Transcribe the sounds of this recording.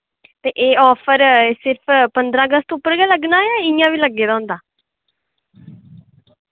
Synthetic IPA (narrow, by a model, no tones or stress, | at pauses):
t̪eːʔeːɔːpʰəɾsɪɾpʰpənd̪ɾãːɡəst̪oʊpːəɾɡɛːləɡnaːjãːɪjãːʋiːləɡːeːd̪aːʊ̃nd̪aː